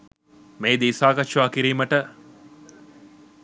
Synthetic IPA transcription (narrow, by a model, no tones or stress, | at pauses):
meːd̪eisaːkɐʃuʋaːkiɾiːməʈə